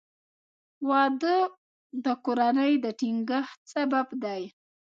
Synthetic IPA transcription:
wɑd̪ə | d̪əkoɾanəjd̪əʈiŋɡəxsababd̪aj

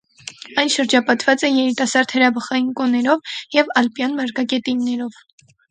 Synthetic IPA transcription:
ɑjnʃəɾd͡ʒɑpɑt̪vɑt͡sɛjɛɾit̪ɑsɑɾd̪həɾɑbəχɑjinkɔnɛɾɔvjɛvɑlpjɑnmɑɾkɑkɛt̪inːɛɾɔv

